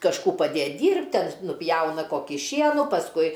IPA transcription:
kɐʃˈkuː pɐˈdʲeːtʲ ˈdʲiːrʲpʲtʲ ˈtʲɛn nʊˈpʲjɛʊnɐ ˈkoːkʲiː ˈʃʲiɛnuː pɐsˈkʊɪ

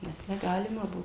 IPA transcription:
ˈnʲɛs nʲɛˈɡɑːlʲɪmɐ ˈbʊʋoː

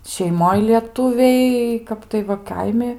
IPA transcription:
ʃʲɛɪˈmoːj lʲiɛˈtʊʋʲɛɪ ˈkɐp tɐɪ ʋɐ ˈkɐɪmʲɪ

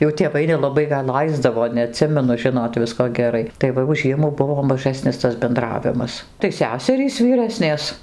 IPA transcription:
jɛʊ tʲeːˈʋɐɪ nʲɛlˠɐˈbɐɪ ɡɐlˠ ˈlˠɐɪzdɐʋoː nʲɛɐˈtʲsʲɪmʲɛnʊ ˈʒʲɪnoːt ˈʋʲɪskoː ɡʲɛˈrɐɪ tɐɪ ˈʋɐ jɛʊ ˈʒʲiɛmuː ˈbʊʋoː mɐˈʒɑːsʲnʲɪs tɐs bʲɛnˈdrɑːʋʲɪmɐs tɐɪ ˈsʲæːsʲɛrʲiːs ʋʲiːˈrɑːsʲnʲeːs

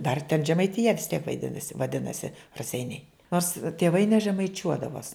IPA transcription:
dɐr tʲɛn ʒʲɛmɐɪtʲɪˈjɛ ʋʲɪs tʲiɛk ʋɐɪˈdʲɪnɐsʲɪ ʋɐˈdʲɪnɐsʲɪ rɐˈsʲɛɪnʲɛɪ ˈnoːrs tʲeːˈʋɐɪ nʲɛʒʲɛmɐɪˈt͡ʃʲuɔdɐʋoːs

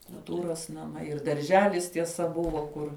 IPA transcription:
kʊlˠˈtuːroːs nɐˈmɐɪ ɪr dɐrʲˈʒʲæːlʲɪs tʲiɛˈsɐ ˈbʊʋoː ˈkʊr

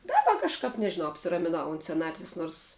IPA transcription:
ˈdɑːbɐ kɐʃˈkɐp nʲɛʒʲɪˈnɐʊ ɐpʲsʲɪrɐmʲɪˈnɐʊ ʊnt sʲɛˈnɑːtʲʋʲɪs ˈnoːrs

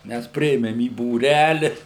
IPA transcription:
ˈmʲæs ˈpʲrʲɪeːmʲɛm iː buːˈrʲælʲɪ

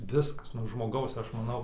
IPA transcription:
ˈʋʲɪskɐs nuɔ ʒmoːˈɡɐʊs ˈɐʃ mɐˈnɐʊ

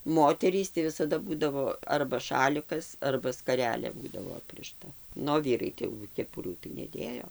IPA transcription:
ˈmoːtʲɛrʲiːs tɐɪ ʋʲɪsɐˈdɐ ˈbuːdɐʋoː ɐrbɐ ˈʃɑːlʲɪkɐs ɐrbɐ skɐˈrʲæːlʲeː ˈbuːdɐʋoː ˈɑːpʲrʲɪʃtɐ ˈnʊ oː ˈʋʲiːrɐɪ ˈtɐɪ jɛʊ kʲɛˈpʊrʲuː tɐɪ nʲɛˈdʲeːjoː

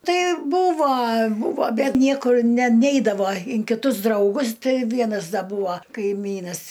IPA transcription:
ˈtɐɪ ˈbuːʋɐ ˈbuːʋoː ˈbʲɛt ˈnʲiɛkʊr nʲɛ ˈnʲɛɪdɐʋoː ɪn kʲɪˈtʊs drɐʊˈɡʊs ˈtɨ ˈʋʲiɛnɐs ˈdɐ ˈbuːʋɐ kɐɪˈmʲiːnɐs

